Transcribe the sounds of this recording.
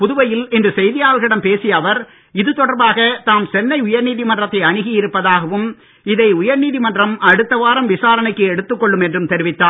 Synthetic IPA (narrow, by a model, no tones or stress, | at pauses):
pʊðʊʋɐjɪlɪndrɯsɛjðɪjaːlɣɪɽɐmpeːsɪjɐʋɐɾ | ɪðɯt̪ːɔɽɐɾbaːɣɐt̪aːmsɛnːɐɪʊjɐɾniːðimɐndrɐt̪ːɐɪɐɳɪɣɪjɪɾɯpːɐðaːɣɐʋɯm | ɪðɐɪʊjɐɾniːðimɐndrɐmɐɽɯt̪ːɐʋaːɾɐmʋɪsaːɾɐnɐɪkːɯɛɽɯt̪ːɯkːɔɭːɯmɛndrɯmt̪ɛɾɪʋɪt̪ːaː